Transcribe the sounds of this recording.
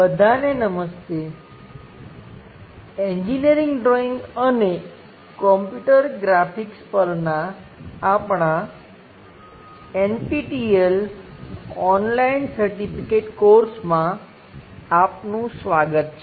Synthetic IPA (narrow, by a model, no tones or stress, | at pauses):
bəd̪ʱanenəməst̪e | ẽɲd͡ʒiniəɾiŋɡɖɾɔiŋɡəne | kɔmpjuʈəɾɡɾafikspəɾnaː | pɳa | enpiʈiel | ɔnlainsəɾʈipʰikeʈkoɾsmãː | pnũsʋaɡət̪̚t͡ʃʰe